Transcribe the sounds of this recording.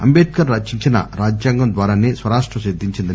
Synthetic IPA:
ɐ̰mbeːt̪̚kɐnɾɐt͡ʃiɲt͡ʃinɐ̰ɾaːd͡ʒjaːŋɡɐmd̪ʋaːɾaːneːsʋɐɾaːʂʈɾɐʃid̪ʱiɲt͡ʃind̪i

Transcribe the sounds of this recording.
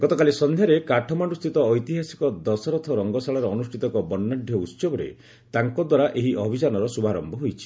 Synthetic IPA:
ɡɔt̪ɔkalisɔnd̪ʱjaɾekaʈʰɔmaɳɖust̪ʰit̪ɔːjt̪iɦasi̥kɔd̪ɔsɔɾɔt̪ʰɔɾɔŋɡɔsaɭɔɾɔɔnusʈʰit̪ɔkɔbɔnːaɖʱjɔut̪sɔbɔɾḛ | t̪aŋkɔd̪waɾaʔeɦiʔɔbʱid͡ʒanɔɾɔsubʱaɾɔmbʱɔɦojt͡ʃʰi̥

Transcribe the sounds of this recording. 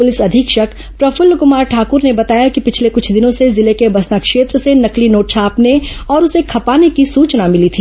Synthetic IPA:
pʊlɪsɐd̪ʱɪkʃɐk | pɾɐfʊlːkʊmaːɾʈʰaːkʊɾnebɐt̪aːjakipɪt͡ʃʰlekʊt͡ʃʰd̪ɪnõsezɪlekebɐsnakʃeːt̪ɾəsenɐklinoːʈ̚t͡ʃʰaːpneɔːɾʊsekʰɐpaːnekisuːt͡ʃnamɪlit̪ʰiː

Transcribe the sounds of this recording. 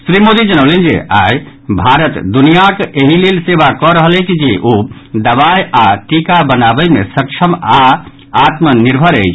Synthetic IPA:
sɾimod̪id͡ʒənəlend͡ʒḛʔaj | bʱaɾət̪d̪unijakeɦilelseʋakɔɾəɦəlẽt͡ʃd͡ʒeʔod̪əβajaʈikabənabəjmesək̚t͡ʃʰəma | at̪məniɾbʱəɾəjt͡ʃʰ

